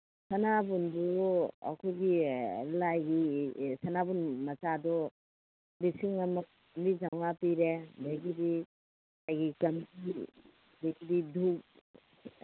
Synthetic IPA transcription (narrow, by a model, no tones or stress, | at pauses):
sɐnabundua̰kʰɔɡilajɡisanabunmɐt͡ʃadɔ | bisiŋɐmɐk̚ | mbizaŋapiɾebeɡidi | lajɡikɐmdi | beɡididʱuk̚